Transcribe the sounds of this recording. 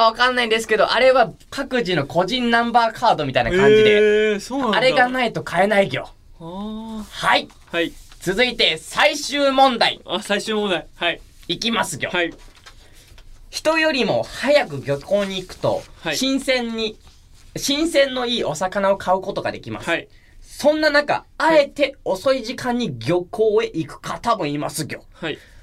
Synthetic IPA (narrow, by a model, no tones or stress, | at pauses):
aβ̞akanːaĩd̪e̞sɨ̥ke̞d̪o̞̰ʔaɾe̞βa | kakɯ̟ʑino̞kʰo̞ʑĩnːãmbaːkʰaːd̪o̞mʲit̪ainaakãɲd͡ʑid̪esaɾe̞ɡanait̪o̞kʰae̞naiɡʲo̞ | hai | t͡sɨzɨit̪e̞saiɕɨːmõ̞nd̪aḭ | aikʲimasɨɡʲo̞̰ | çi̥t̪o̞jo̞ɾʲimo̞̰hajakɯ̟ɡʲo̞ko̞ːɲ̟iːkɯ̟̥t̪o̞̰ɕĩsẽɲi | ɕĩɰ̃sẽ̞nːo̞iːʔo̞sakanao̞kʰaɯ̟ko̞t̪o̞ɡa̰d̪e̞̰kʲima̰sɨ | sõ̞nːanaka̰ae̞t̪e̞o̞so̞iʑikãɲ̟ːiɡʲo̞kʰo̞ːe̞ʔikɯ̟̥kʰat̪abɯ̟̃ɰ̃imasɨɡʲo̞̰